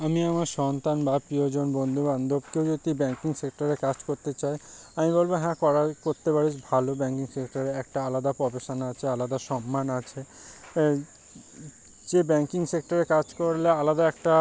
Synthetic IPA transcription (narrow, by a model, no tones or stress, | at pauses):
amiamaɾʃɔnt̪anbapɾiod͡ʑonbond̪ʱuband̪ʱobkewd͡ʑot̪ibɛŋkiŋsek̚ʈaɾekad͡ʑkoɾt̪et͡ɕaeamibolboɦɛ̃kɔɾakoɾt̪epaɽid͡ʑbʱalobɛŋkiŋsekʈaɾeɛk̚ʈaalad̪apɔbeʃanat͡ɕʰealad̪aʃɔmːanat͡ɕʰe | d͡ʑebɛŋkiŋsek̚ʈaɾekad͡ʑkoɾlealad̪aɛk̚ʈa